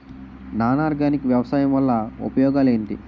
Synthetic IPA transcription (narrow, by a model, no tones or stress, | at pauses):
naːnaːɾɡaːnikɐʋjɐʋɐsaːjɐmʋɐlːɐṵpɐjɔːɡaːle̞ːɳʈ̪i